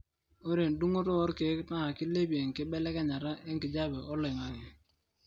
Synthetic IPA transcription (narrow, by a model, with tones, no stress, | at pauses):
o˦ɾe˨ndu˦ŋo˦tɔ˦ɔ˦ɾke˨˦kna˦˨kɪ˦le˦bi˨e˨ŋkɪ˦ɓɛ˦lɛ˦ka˦ɲa˨ɾa˦ʔe˦ŋkɪ˨d͡ʒa˦bɛ˨ʔɔ˦le˨ŋa˨ŋɪ˨